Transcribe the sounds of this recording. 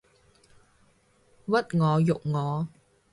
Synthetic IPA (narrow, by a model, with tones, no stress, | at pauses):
wɐ˥t̚ŋɔː˨˧jʊ˨k̚ŋɔː˨˧